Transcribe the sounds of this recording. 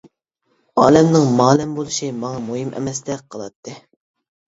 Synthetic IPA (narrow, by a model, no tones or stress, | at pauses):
ɑːlɛmnɪŋmɑːlɛmbolˠɨʃimɑŋɑmoɦimʔɛ̰mɛst̪ɛqʰəlˠɑt̪ʰːɨ